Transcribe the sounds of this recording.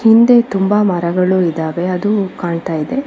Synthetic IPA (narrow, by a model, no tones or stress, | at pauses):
hind̪e̞t̪umbamɐɾɐɡɐɭuid̪aːʋe̞ɐd̪ukaːɳt̪aːjid̪e̞